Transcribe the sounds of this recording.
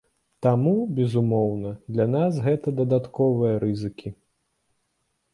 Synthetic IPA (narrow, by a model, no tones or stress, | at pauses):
t̪amubʲɛzumɔwnɐd̪lʲanas̬ɣɛt̪ɐd̪ɐd̪at̪kɔvɨjɐɾɨzɨkʲʰi